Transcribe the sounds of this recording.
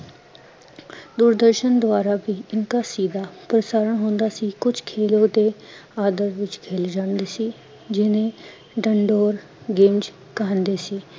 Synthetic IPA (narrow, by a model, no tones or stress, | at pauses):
d̪uːɾd̪əɾʃənd̪ʊaːɾaːbiːɪnkaːsiːd̪aːpɾəsaːɾəɳɦõːnd̪aːsiːkʊd͡ʒkʰeːlõːd̪eːaːd̪əɾʋɪt͡ʃkʰeːld͡ʒaːnd̪eːsiː | d͡ʒɪnẽː | ɖəɳɖoːɾ | ɡeːmd͡ʒ | kãːnd̪eːsiː